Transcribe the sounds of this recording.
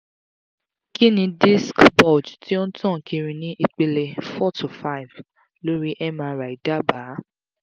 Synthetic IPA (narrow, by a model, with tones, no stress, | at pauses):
ki˦nĩ˧di˦skbɔ˦˨d͡ʒti˦o˦n̩˦tʰɔ̃˦˨kʰĩ˧ɾĩ˧nĩ˦ʔi˧k͡pe˧le˧fɔ˦tʰu˨fa˦i˨v | lo˦ɾi˦ʔɛ˦ma˧ɾa˨i˨da˦ba˨˦